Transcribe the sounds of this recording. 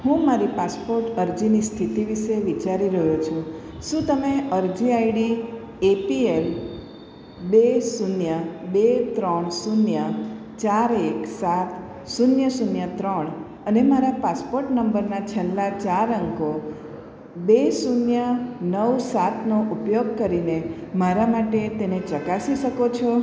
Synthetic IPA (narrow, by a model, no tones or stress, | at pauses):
hũmaɾipaspoɾʈəɾd͡ʒinist̪ʰit̪iʋiʃeʋit͡ʃaɾiɾəɦot͡ʃʰũ | ʃũt̪əmeəɾd͡ʒiaiɖi | epiel | besunjəbet̪ɾəɳsunjə | t͡ʃaɾeksat̪ | sunjəsunjət̪ɾəɳ | ənemaɾapaspoɾʈnəmbəɾnat͡ʃʰelːat͡ʃaɾəŋko | besunjənəwsat̪ʰnoʔupjoɡkəɾinemaɾamaʈet̪enet͡ʃəkasiʃəkot͡ʃʰɔ